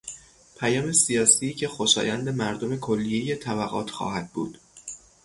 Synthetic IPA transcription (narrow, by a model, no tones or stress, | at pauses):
pʰæjɒːme̞sijɒːsicʰe̞xoʃɒ̰ːjænd̪e̞mæɾd̪ome̞kʰolːije̞jet̪ʰæbæɣɒ̰ːt̪ʰxɒ̰ːhæd̪̚bṵːd̪̥